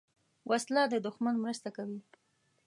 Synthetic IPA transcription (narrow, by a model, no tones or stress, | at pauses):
wʔaslɑd̪əd̪ʊxmanmɾəst̪akawi